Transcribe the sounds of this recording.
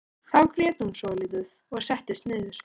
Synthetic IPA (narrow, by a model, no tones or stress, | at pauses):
θawkʰɾjɛːt̪humsɔːlɪt̪ʏð | ɔɣsɛht̪ɪst̪nɪːðʏɾ̥